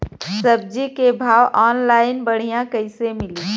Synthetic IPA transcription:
səb̚d͡ʒikebʱaːwʔɔːnlaːɪnbəɽ̤ijãkəɪsemɪliː

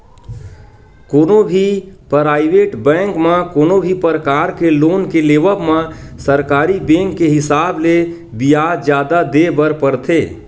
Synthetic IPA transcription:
koːnobʱipɾaːɪʋeʈbɛ̃ŋkmãkoːnobʱipəɾəkaːɾkeloːnkeleːbəbmãsəɾkaːɾibẽːŋkːeɦɪsaːble | bijad͡ʒjaːd̪ad̪ebəɾpəɾt̪ʰeː

